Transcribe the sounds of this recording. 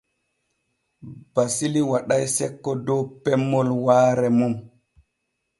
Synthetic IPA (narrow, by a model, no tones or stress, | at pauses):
b̥asiliwaɗajsɛkːɔdɔwpɛmːɔlwaːɾɛmum